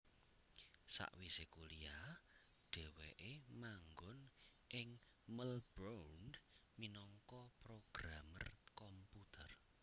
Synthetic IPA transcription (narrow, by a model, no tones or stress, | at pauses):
sa̰ʔwisekulija | ɖ̥ɛ̤weʔemaŋɡʊnʔɪŋ | məlb̥ɾawnminɔŋkɔpɾoɡ̥ɾamə̰rkɔmput̪ʰər